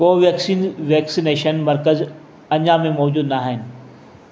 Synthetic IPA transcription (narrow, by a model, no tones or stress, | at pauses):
koːʋeːksiːnʋɛːksineːʃənmɐɾkəz | ɐ̃ɲãmẽmɔːd͡ʑuːd̪naːɦɪnɪ̆